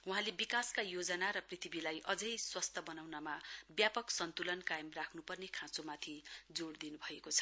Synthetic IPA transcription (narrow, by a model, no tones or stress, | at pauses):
uɦãlebikaskajod͡zʌnaɾʌprit̪ʰibilajʔʌd͡zʌjswʌst̪ʰʌbʌnawnamabjapʌksʌnt̪ulʌnkajmrakʰnupʌrnekʰãt͡somat̪ʰid͡zoɽd̪inubʱʌekot͡sʰʌ̥